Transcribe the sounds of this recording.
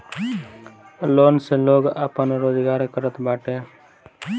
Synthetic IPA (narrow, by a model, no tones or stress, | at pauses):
loːnseloːɡaːpənɾoːd͡ʒɡaːɾkəɾət̪baːʈe